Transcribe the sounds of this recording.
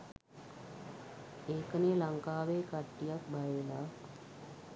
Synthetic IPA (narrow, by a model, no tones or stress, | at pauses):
eːkənelaŋkaːʋeːkaʈːijak̚bajəla